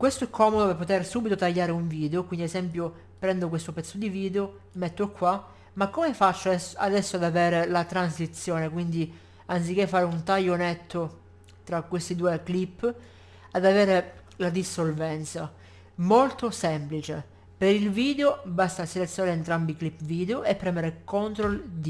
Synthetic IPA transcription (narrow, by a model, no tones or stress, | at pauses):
kwest̪oɛkʰːɔːmod̪opepːot̪ersuːbit̪ot̪aʎːaːɾeuɱviːd̪eokwind̪iezɛmpjo | pɾɛnd̪ok̬west̪opɛt̪sːod̪iviːd̪eo | mɛt̪ːokʰːwa | makːomefat͡ʃːoad̪ɛsːoad̪avɛːɾelat̪ɾansit̪sːjoːnekwind̪i | ant̪sik̟ːefːaːɾeunt̪ajːonet̪ʰːo | t̪ɾakːwest̪id̪uːeklipː | ad̪avɛːɾe | lad̪isːolvɛnt̪sa | molt̪osɛmplit͡ʃe | peɾilviːd̪eobast̪aselet̪sjonaɾent̪ɾambiklipːviːd̪eoʔepːɾɛmeɾekont̪ɾold̪i